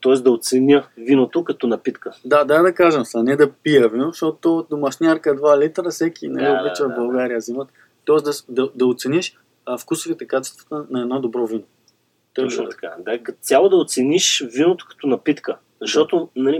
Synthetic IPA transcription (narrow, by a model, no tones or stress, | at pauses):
t̪ɔɛsd̪ɐot̪sɛnʲəvinot̪okɐt̪ɔnɐpit̪kəd̪ad̪ad̪ɐkaʒəmsɐnɛd̪ɐpijəvinoʃt̪ɔt̪od̪omɐʃnʲaɾkəd̪valit̪ɾəsɛkinɐliobit͡ʃɐbɐlˠɡaɾijəzimət̪ | t̪ɔɛszd̪ɐsd̪ɐd̪ɐot̪sɛniʃ | fkusʊvit̪ɛkat͡ʃɛst̪və̥t̪ənɐɛd̪nod̪obɾɔvino | t̪ɐkad̪akɐt̪sʲjalˠod̪ɐot̪sɛniʃvinot̪o̥kɐ̥t̪ɔnɐpit̪kə | zɐʃt̪ɔt̪onɐli